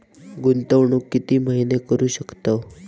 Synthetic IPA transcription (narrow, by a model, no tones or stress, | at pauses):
ɡunt̪əʋɳuːkːit̪iːməɦinekəɾuːɕəkt̪a